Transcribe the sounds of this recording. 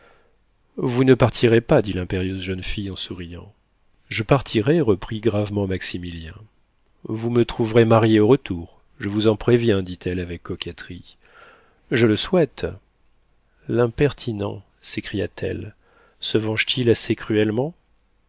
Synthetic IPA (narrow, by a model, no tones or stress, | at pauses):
vunəpaʁt̪ʰiʁepad̪ilɛ̃peʁjøzʒənfijɑ̃suʁijɑ̃ | ʒəpaʁt̪ʰiʁeʁəpχiɡʁavmɑ̃maksimiljɛ̃ | vumət̪χuvʁemaʁjeoʁət̪uʁ | ʒəvuzɑ̃pχevjɛ̃d̪it̪ʰɛlavɛkːɔkʲɛt̪χi | ʒələswɛt̪ | lɛ̃pɛʁt̪ʰinɑ̰̃ | sekχija̰t̪ʰɛ̰l | səvɑ̃ʒt̪ʰilasekχyɛlmɑ̃